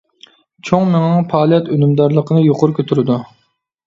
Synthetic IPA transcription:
t͡ʃʰoŋmeŋɑŋpʰɑːlˠijɛt̪ønymd̪ɑɾlˠəqʰənɨjoqʊɾukʲʰøt̪ʰyɾɪd̪u

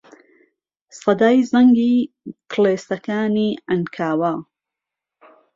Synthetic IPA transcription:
sɐd̪aːjzɐŋɡiː | kʰleːst̪ɐkaːniːʔɐnkʰaːwaː

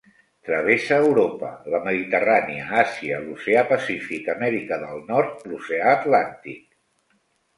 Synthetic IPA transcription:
t̪ɾəβ̞esəːwɾopələməðit̪əraniəasiəluseapəsifikəmɛɾikəðəlˠnɔɾt̪̚luseaːt̪lant̪ik̚

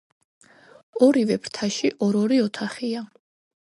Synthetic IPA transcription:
ɔɾivɛpɾt̪ʰaʃiʔɔɾɔɾiɔt̪ʰaχia

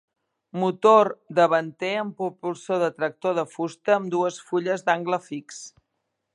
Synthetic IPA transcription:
mut̪oɾd̪əβənt̪eəmpupulˠsoðət̪ɾək̚t̪oð̞əfust̪əːmd̪uəsfuʎəzd̪aŋɡləfiks

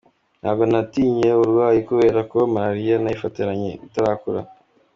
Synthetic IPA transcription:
nha̰ːβɡo̞natiːɲe̞uɾɡwaːjikuβe̞ːɾakomaɾaɾijanaifatiɾaɲe̞̰itaɾakuɾa̰

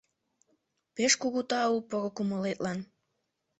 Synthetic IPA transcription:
peʃkuɣut̪ɑupoɣokuməlet̪lɑn

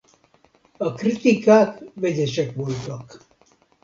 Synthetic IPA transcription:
ɒkrit̪ikaːkʋɛɟɛʃɛkʋolt̪ɒk

